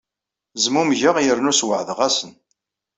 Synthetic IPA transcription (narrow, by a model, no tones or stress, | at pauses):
zmumʝəʁjəɾnuswəʕðʁæsən